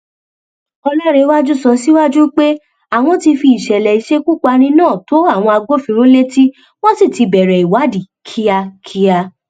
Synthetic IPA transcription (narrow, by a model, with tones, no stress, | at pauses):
ɔ˧la˦ɾe˧˦wa˦d͡ʒu˦sɔ˧si˦wa˦d͡ʒu˦k͡pe˦ | a˦˨w̃ɔ̃˧ti˧fi˧˨i˨ʃɛ˨lɛ˨i˨ʃe˦ku˦k͡pa˧ñĩ˧nãː˦˨to˨˦a˦˨w̃ɔ̃˧a˧ɡ͡bo˦fĩ˧ɾ̃ũ˦le˦ti˦ | w̃ɔ̃˦si˦˨ti˧bɛ˨ɾɛ˨i˨wa˨˦di˨ | kʰi˦a˧kʰi˦a˧